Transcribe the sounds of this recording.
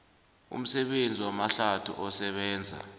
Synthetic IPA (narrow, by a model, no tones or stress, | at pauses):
ṵm̩sɛɓend͡zʱiwamaɬatʰṵʔɔsɛɓɛːnd͡zʱa̰